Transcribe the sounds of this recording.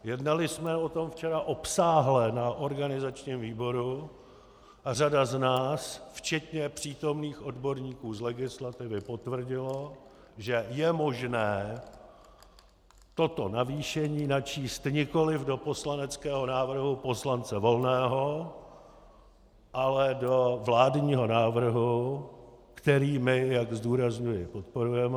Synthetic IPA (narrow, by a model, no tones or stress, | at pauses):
jɛdnalɪsmɛo̞t̪o̞mft͡ʃɛɾaʔo̞psaːɦlɛnaʔo̞ɾɡanɪzat͡ʃɲiːmviːbo̞ɾu | ar̝adaznaːsft͡ʃɛt̪ɲɛpr̥iːt̪o̞mniːxo̞dbo̞ɾɲiːkuːzlɛɡɪslat̪ɪvɪpo̞t̪vr̩ɟɪlo̞ | ʒɛjɛmo̞ʒnɛː | t̪o̞t̪o̞naviːʃɛɲiːnat͡ʃiːst̪ɲɪko̞lɪvdo̞po̞slanɛt͡skɛːɦo̞naːvr̩ɦupo̞slant͡sɛvo̞lnɛːɦo̞ | ʔalɛdo̞vlaːdɲiːɦo̞naːvr̩ɦu | kt̪ɛɾiːmɪjaɡzduːɾazɲujɪpo̞t̪̚po̞ɾujɛmɛ